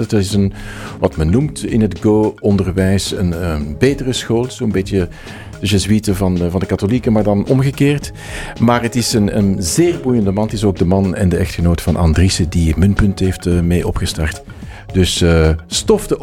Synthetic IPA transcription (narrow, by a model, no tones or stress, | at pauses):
tɪsənʋɑtmɛnːumtɪ̰nɦədɡoːɔndərʋɛjsə̰nbeːtərəsxoːlˠsoːəmbeːtjə | d̥əzəzwitəvɑnvɑndəkɑtolikəmaːrdɑnɔmɣəkeːrt | maːrɦətɪsənə̰nzeːrbujəndəmɑnətɪsoːɡ̚dəmɑnɛ̰ndəɛxtxənoːtə̥v̥ɑnʔɑ̰ndrisədimɵnpɵntəɦeːftəmeːʔɔpɣəstɑrt | d̥ɵsəstɔfdə